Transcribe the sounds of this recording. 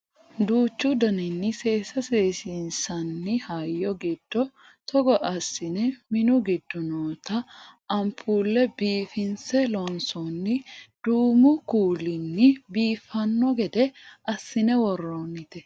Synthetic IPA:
d̪uːt͡ʃːʊd̪ɐnɪnːɪse̞ːsɐseːsinsɐnːɪhɐjːɔɡɪd̪̥ːɔ | t̪ɔɡɔʔɐsːɪnɛmɪnʊɡɪd̪ːʊnoːt̪ɐɐmpʰuːlːɛbiːfɪnsɛlɔnsɔnːɪd̪̥uːmʊkuːlɪnːɪbiːfɐnːɔɡɛd̪ɛʔɐsːɪnɛwɔrːoːnɪt̪ɛ

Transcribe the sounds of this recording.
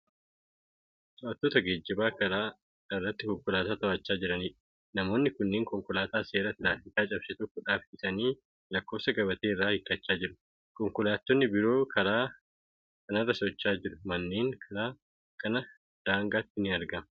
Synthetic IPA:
sʊʔɐt̪ːoːt̪ɐɡeːd͡ʒːɪbaːkɐɾaː | ɪrːɐt̪ːɪkɔŋkʊlaːt̪aːt̪ɐɐt͡ʃːaːd͡ʒɪɾɐniːᶑ | nɐmo̞ːnːɪkʊnːeːŋkɔŋkʊlaːt̪aːse̞ːɾɐt̪ɪɾaːfɪt̪aːt͡ʃʼɐbsɛt̪ɔkːʊᶑaːfɪsɐniː | lɐkːo̞ːsɐɡɐbɐt̪e̞ːɪrːaːhɪkːɐt͡ʃːaːd͡ʒɪɾʊ̥ | kɔŋkʊlaːt̪ːɔnːɪbɪɾo̞ːkʰɐɾaː | kɐnɐrːɐsɔt͡ʃːaːd͡ʒɪɾʊmɐnːeːŋkʰɐɾaː | kɐnɐ | d̪̥aːŋɡaːt̪ːɪnɪɐɾɡɐmɐ

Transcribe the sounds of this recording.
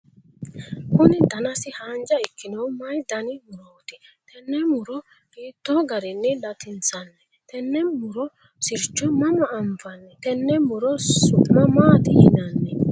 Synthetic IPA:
kʊnɪd̪ɐnɐsɪhaːnd͡ʒɐɪkːɪnɐwmɐjd̪ɐnɪmʊɾoːt̪ɪt̪ɛnːɛmʊɾɔ | kiːt̪ːoɡɐɾɪnːɛdɐt̪ɪnt͡sɐnːɛ | t̪ɛnːɛmʊɾɔ | sɪɾt͡ʃːɔmɐmɐʔːmfɐnːɛt̪ɛnːɛmʊɾɔʊmɐmaːt̪ɪhɪnɐnːɛ

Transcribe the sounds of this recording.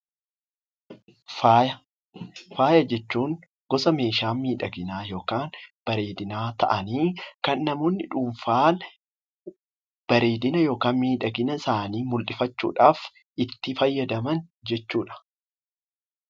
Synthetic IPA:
faːjɐ | faːjɐd͡ʒɛt͡ʃːuːŋ | ɡ̥ɔsɐme̞ːʃaːmiːᶑɐɡɪnaːjo̞ːkaːnb̥ɐɾe̞ːd̪ɪnaːt̪ɐ̰ʔɐniːkɐnːɐmoːnːɪᶑuːmfaːn | b̥ɐɾe̞ːd̪ɪnɐjo̞ːkaːnmiːᶑɐɡɪnɐɪsaːniːmʊlᶑɪfɐt͡ʃːṵːᶑaːf | ʔɪt̪ːɪfɐjːɐd̪ɐmɐnd͡ʒɛt͡ʃːuːᶑɐ̥

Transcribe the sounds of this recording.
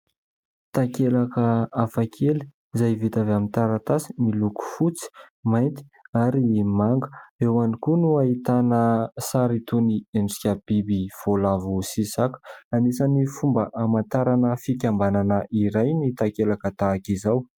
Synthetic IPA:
t̪akelakəafakʰeli̥ | izajvit̪avamint̪aɾat̪asi̥miluku̥fut͡si̥ | majnt̪i̥aɾimaŋɡə̥ewanikunuait̪anəsaɾit̪uniemsi̥kʲab̥ibiv̥olavusisaku̥anisanifumbəʔamant̪aɾanəfikʲambananəʔiɾajnit̪akelakət̪akizaw

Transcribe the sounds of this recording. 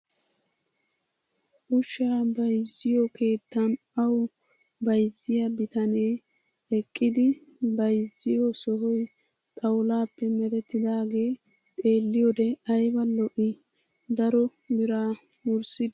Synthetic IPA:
ʔʊʃaːbɐjzːɪjɔkʰe̞ːt̪ːɐn | ɐw | bɐjzːɪjɐbɪt̪ɐneː | ɛkʼːɪd̪ɪbɐjzːɪjɔsɔɦɔj | t̪ʼɐwlaːpːɛmɛd̪ɛt̪ːɪd̪aːɡe̞ː | t̪ʼe̞ːlːɪjɔd̪ɛɐjbɐlːɔʔɪ | d̪ɐɾɔ | bɪɾaːʊɾsɪd̪

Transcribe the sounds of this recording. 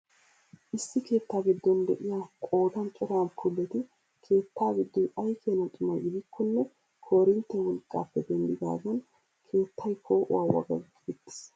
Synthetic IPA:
ʔɪsːɪke̞ːt̪ːaːɡɪd̪ːɔnd̪ɛʔɪjaːkʼo̞ːd̪ɐnt͡ʃʼɔɾaːnkʰʊlːɛt̪ɪ | kʰe̞ːt̪ːaːɡɪd̪ːɔɐjkʰeːnɐt̪ʼɪmɐjɪd̪ɪkʰːɔnːɛ | kʰoːɾɪnt̪ːɛwɔlkʼːa̰ːpːɛd̪ɛnd̪ɪd̪a̰ːɡɐn | kʰe̞ːt̪ːɐjkʰo̞ːʔʊ̰waːwɐ̰ɡɐ̰ɡ | ɡɪt̪ːɪ̥s

